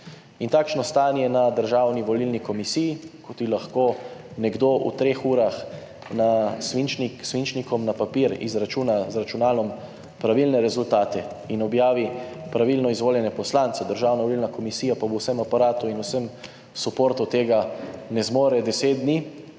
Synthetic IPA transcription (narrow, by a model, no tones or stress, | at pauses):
int̪aːkʃnɔst̪aːnjɛnad̪əɾʒaːwniʋɔlilnikɔmisijikɔt̪ilaxkoːnɛɡd̪oːʔṵt̪ɾeːxuːɾax | nasʋint͡ʃniksʋint͡ʃnikɔmnapapiːɾḭzɾat͡ʃuːnazɾat͡ʃunaːlɔm | pɾaʋilnɛɾɛzult̪aːt̪ɛ | inɔbjaːʋipɾaʋilnɔizʋoːljɛnɛpɔslant̪sɛd̪əɾʒaːwnaʋɔliːlnakɔmisiːjapabowsɛmapaɾaːt̪uinusɛm | supoːɾt̪ut̪eːɡanɛzmoːɾɛd̪ɛseːt̪̚d̪ni